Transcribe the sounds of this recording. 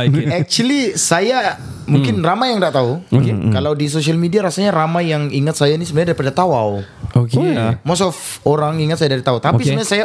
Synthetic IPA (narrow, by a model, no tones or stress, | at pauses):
ɛk̚t͡ʃulisaja | muŋkɪnramajaŋdaʔt̪auokekalawdis̬osialmediaɾasaɲaɾamajaŋiŋat̪̚sajainisəblaɲadaɾipadat̪awaw | okemɔsɔfoɾaŋiŋat̪sajadaɾit̪aut̪apisəbaɲãsaja